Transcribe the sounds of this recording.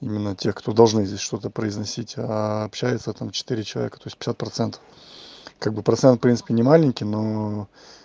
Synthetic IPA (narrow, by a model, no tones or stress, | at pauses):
imʲɪnːətʲe̞xkt̪o̞d̪ɐlˠʐnɨzʲdʲesʲʂt̪o̞t̪əpɾəɪznɐsʲitʲaːpɕæjɪt̪sət̪amt͡ɕɪ̥t̪ɨɾʲɪt͡ɕɪlˠɐ̰vʲekə̥t̪o̞ɪsʲpʲɪ̥sʲat̪̚pɾɐt̪sɛnt̪ə̥f | kaɡ̚bɨpɾɐt̪sɛnt̪̚pɾʲinsɨ̥pʲɪnʲɪmalʲɪnʲkʲɪjno